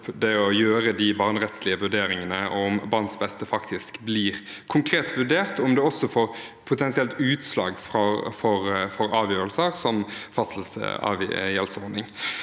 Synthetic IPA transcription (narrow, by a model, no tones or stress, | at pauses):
d̪ɛɔjøːɾəd̪ɪbɑːʁnʁɛt̪slɪəʋʉɖeːɾɪŋənəʔʊmbɑʁnsbɛst̪əfɑkt̪ɪskbliːʁ | kʰʊŋkʰɾeːt̪ʰʋʉɖeːʁt̪ʊmd̪ɛɔsːɔfoːɾ | pʰʊt̪ʰɛnsɪɛlt̪ʉːt̪slɑ̰ːɡfʁɔfɔɾfɔɾɑːʋjøːɾəlsəɾsɔmfɑsl̩sɑ̰ʋjɛlsɔʁnɪŋ